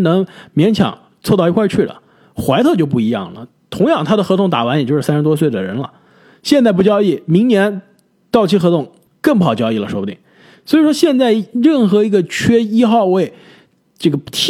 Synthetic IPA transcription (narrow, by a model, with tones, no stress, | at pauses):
nɤ˧˥ŋmjɛ˧˥nt͡ɕʰjɑ̰˨˩˦ŋ | t͡sʰwɔ˥˧t̪ɑ˥˩ʊi˧˥kwa˥˧t͡ɕʰy˥˩lə̰˩ | xwa˧˥ɪt̪ʰɤ˥˧t͡ɕjo˥˧ʊp̬u˥˩i˧˥jɑ̰˥˩ŋlə̰˩ | t̪ʰʊ˧˥ŋjɑ˥˩ŋt̪ʰa˥d̪ə˨xɤ˧˥t̪ʰʊ˥˩ŋt̪a̰˨˩wa˧˥njt͡ɕo˥˧ʊʂɻ̩˥˩sa˥ʂɻ̩˥t̪wɔ˥s̬we˥˩ɪd̪ə˩ɻə̰˧˥nlə̰˧ | ɕjɛ˥˧nt͡sa˥˧ɪpu˥˩t͡ɕjɑ˥ʊi˥˩mi˧˥ŋnjɛ˧˥n | t̪ɑ˥˩ʊt͡ɕʰi˥xɤ˧˥t̪ʰʊ˥˩ŋ | kə˥˧ŋp̬u˥˩ɑ˨˩ʊt͡ɕjɑ˥ʊi˥˩lə˩ʂwɔ˥bu˧˩ḭ˧˨˩ŋ | swɔ˧˥i˨˩ʂwɔ˥ɕjɛ˥˧nt͡sa˥˧ɪɻə˥˩nxɤ˧˥i˧˥ɡə˧t͡ɕʰɥɛ˥i˥xɑ˥˧ʊwe˥˩ɪ | ʈ͡ʂɤ˥˩ɡə˩t̪ʰ